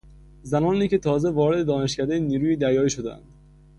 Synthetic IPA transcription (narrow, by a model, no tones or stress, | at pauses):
zænɒːniːce̞t̪ʰɒːze̞vɒːɾe̞d̪ed̪ɒːne̞ʃcæd̪ejeniːɾuːjiːd̪æɾjɒːiːʃod̪eæ̰nd̪̥